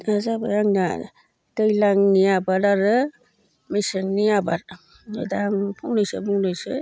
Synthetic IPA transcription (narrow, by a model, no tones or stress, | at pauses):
azabajaŋna̰ | d̥ɯjlaŋnijabaɾaɾɯ | mejsɯŋnijabaɾ | nedaŋpʰɔŋnɯjsɯ̰buŋnɯjsɯ